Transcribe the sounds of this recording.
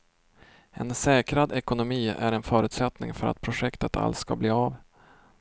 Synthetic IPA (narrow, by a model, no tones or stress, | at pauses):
ɛ̰nsɛːkɾad̪ɛkʊnʊmiːæɾɛnfœːɾʉ̟ːt̪sɛt̪nɪ̰ŋfœɾa̰t̪̚pʰɾʊʂɛkt̪ət̪ʰa̰lt̪skabliːav